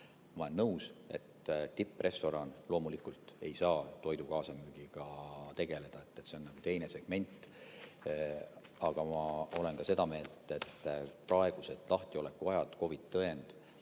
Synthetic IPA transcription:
mɑlenːɤwse̞̰t̪t̪ipːˑre̞st̪o̞ɾɑnlo̞ːmulikult̪e̞jsɑːt̪o̞jd̪ukɑːsɑmyːɡ̥iɡ̥ɑt̪e̞ɡ̥e̞le̞d̪̥ɑe̞t̪ːet̪ːse̞o̞nnɑɡ̥ut̪e̞jne̞se̞ɡ̥me̞nʲt̪ːˑ | ɑɡ̥ɑmɑole̞nkɑse̞d̪ɑme̞ːlt̪ːˑet̪ːprɑe̞ɡ̥use̞d̪̥lɑht̪io̞lekːˑuɑjɑd̪̥ko̞vit̪ːɤe̞nd̪̥

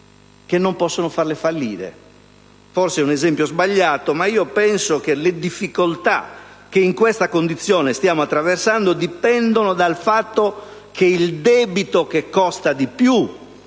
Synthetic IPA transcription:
kenːompɔsːonofarlefalːiːɾḛ | forseɛunɛzɛmpjozbaʎːaːt̪omaiːopɛnsok̟eled̪ifːikolt̪a̰k̟ːeiŋkwest̪akond̪it̪sːjɔːnest̪jaːmoat̪ːɾaversand̪od̪ipɛnd̪onod̪alfat̪ːokʰeild̪ɛːbit̪okekːɔst̪ad̪ipju

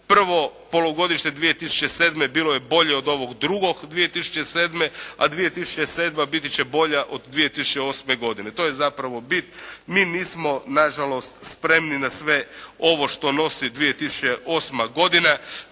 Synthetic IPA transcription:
pr̩ʋo̞po̞loɡo̞d̪iʃned̪ʋije̞t̪isu̥t͡ɕe̞seːd̪me̞biːloje̞bo̞ʎe̞od̪o̞ʋoɡd̪ɾuɡo̞ɡd̪ʋije̞t̪isu̥t͡ʃeseːd̪mea̰d̪ʋije̞t̪isu̥t͡ʃeseːd̪mabit̪it͡ɕebo̞ʎaʔod̪d̪ʋije̞t̪isut͡ʃeo̞ːsme̞ɡo̞d̪ine̞t̪o̞jezapɾaʋo̞bit̪miːniːsmo̞naʒalo̞st̪spɾe̞mninasʋe̞o̞ʋo̞ʃt̪o̞no̞sid̪ʋije̞t̪isu̥t͡ʃeʔo̞ːsmaɡo̞d̪ina

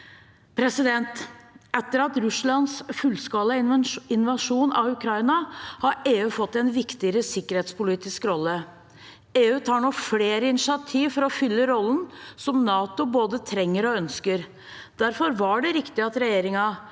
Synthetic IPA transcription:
pʰɾɛsɪd̪ɛnt̪ɛt̪ːəɾɑt̪ɾʉslɑnsfʉlskɑːlɑɪnʋɑʂuːnɑ̰ʋʉkʰɾɑɪnɑhɑɾeːʉːfɔt̪ːɛnʋɪkt̪ɪəɾəsɪkːəɾheːt̪spʊliːt̪ɪskɾɔlːə | eːʉːt̪ʰɑːɳɔfleːɾəɪnɪʃɪɑt̪ʰiːʋfɔɾɔfʏlːəɾɔlːənsɔmnɑːt̪ʊboːd̪ət̪ʰɾɛŋːəɾɔœnskəɾ | d̪æɾfɔɾʋɑɖɛɾɪkt̪ɪɑt̪ɾɛjeːɾɪŋɑ

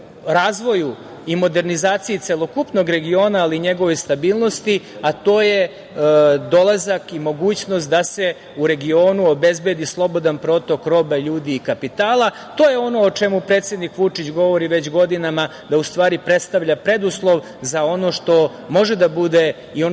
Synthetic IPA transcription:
ɾaːzʋo̞ju | imo̞d̪e̞ɾnizaːt̪sijit̪selˠo̞kupno̞ɡɾe̞ɡio̞ːnaːliɲe̞ɡo̞ʋo̞jst̪abiːlˠno̞st̪iat̪o̞ːje̞ | d̪o̞lˠazakimo̞ɡuːt͡ɕno̞st̪̚d̪ase̞ | uɾe̞ɡio̞ːnuobe̞zbe̞d̪islˠo̞bo̞d̪anpɾo̞t̪o̞kɾo̞ːbaʎuːd̪iːkapit̪aːlˠa | t̪o̞jeo̞no̞ːt͡ʂe̞mupɾet̪sje̞d̪nikʋut͡ʂit͡ɕɡo̞ʋo̞ɾiʋe̞t͡ɕɡo̞d̪inama | d̪aust̪ʋaːɾipɾe̞t̪st̪aʋʎapɾe̞d̪uslˠo̞ʋ | zao̞no̞ʂt̪o̞ | mo̞ʒed̪abud̪e | io

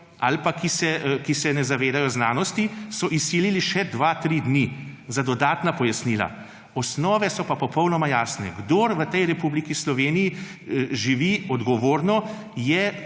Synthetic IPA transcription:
a̰lpakisɛkisɛnɛzaʋeːd̪ajɔznaːnɔst̪isɔʔisːiːliliʃɛd̪ʋat̪ɾid̪nizad̪ɔd̪aːt̪napɔjasniːla̰ | ɔsnɔːʋɛsɔpapɔpɔwnɔmajaːsnɛ̰ɡd̪oɾʋət̪ɛjɾɛpublikislɔʋeːnijiʒiʋiɔd̪ɡɔʋoːɾnɔ | jɛ

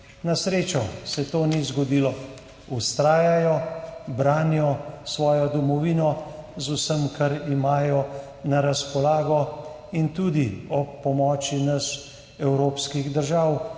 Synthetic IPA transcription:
nasɾeːt͡ʃɔsɛt̪oːnizɡɔd̪iːlɔ | ust̪ɾaːjajɔbɾaːnjɔsʋɔːjɔd̪ɔmɔʋiːnɔzusəmkaɾimaːjɔ | naɾaspɔlaːɡɔ | int̪ud̪iɔpːɔmɔːt͡ʃinɐs | ɛwɾoːpskiɣd̪əɾʒaw

